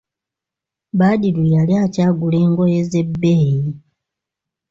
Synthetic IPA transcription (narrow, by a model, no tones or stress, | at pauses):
badilujaliacaːɡule̞ːŋɡo̞je̞ze̞bːeːji